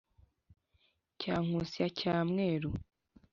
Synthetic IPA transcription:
caːŋ̥usijacaːmŋeːɾo

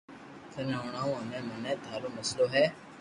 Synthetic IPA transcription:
kʰənoːɳ̃ãːũːənẽːmənɛ̃ːd̪ʱaːloːməsloːɦɛː

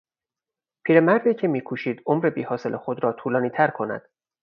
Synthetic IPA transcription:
pʰiːɾe̞mæɾd̪iːcʰe̞miːkʰuːʃiːd̪̥omɾebiːhɒːse̞lʔexod̪ɾɒːt̪ʰuːlɒːniːt̪ʰæɾkʰo̞næ̰d̪̥

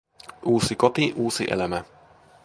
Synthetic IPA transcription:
uːsikɔt̪iʔuːsiʔɛ̰lɛmɛ

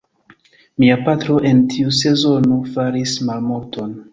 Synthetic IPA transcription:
miapatɾo̞ʔe̞ntʰiuse̞zo̞nofaɾismalmulto̞n

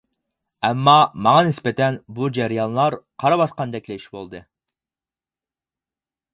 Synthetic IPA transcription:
ɛmːɑmɑŋɑnɪspɛt̪ʰɛnbud͡ʒæɾijɑnlˠɑɾqʰɑɾɑbɑsqɑnd̪ɛkʲlɛiʃbolˠd̪ɨ

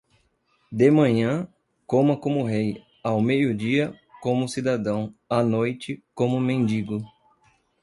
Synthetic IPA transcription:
d̪emɐ̃ɲɐ̃ | kõmɐkõmʊɦej | awmejʊd͡ʒiɐ | kõmʊsid̪ad̪ɐ̃w̃anojt͡ʃɪkõmʊmẽnd͡ʒiɡʊ

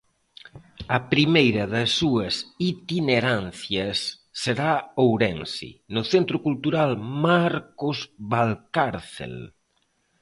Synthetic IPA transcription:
ɐpɾimejɾɐðɐsːuɐsit̪ineɾanθjɐsː | eɾaowɾɛnsḭnʊθent̪ɾokult̪uɾalmaɾkozβalkaɾθḛl

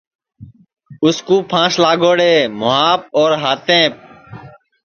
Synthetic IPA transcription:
ʊskuːpʰãːslaːɠoːɽeːmʊɦaːp̚oːɾɦaːt̪ẽːp̚

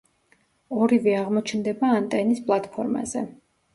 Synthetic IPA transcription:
ɔɾivɛaʁmɔt͡ʃʰnd̪ɛbaːnt̪ʼɛnispʼlˠat̪ʼpʰɔɾma̰zɛ

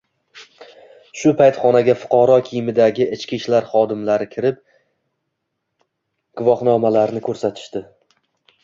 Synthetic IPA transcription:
ʃʊpʰajt̪χɒnaɡʲafʊ̥qʰɒɾɒkʲʰijmɪd̪aɡʲɪɪt͡ʃkʲiʃlaɾχɒd̪ɪmlaɾɪkʲʰɪɾɪp̚ | ɡ̥ʊvɒχnɒmalaɾnɪkʲʰɵɾsat̪ʰɪ̥ʃt̪ɪ

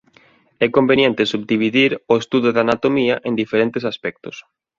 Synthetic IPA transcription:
ɛkombenjẽnt̪esubd̪iβ̞iðiɾoest̪uðoðanat̪omiɐʔẽnd̪ifeɾent̪esaspɛk̚t̪ʊs

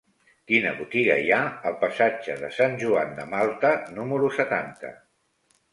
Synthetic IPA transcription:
kinə̰βut̪iɣə̰iaəlˠpəsad͡ʒəðəsanʲʒuand̪əmalˠt̪ənuməɾusət̪ant̪ə̰

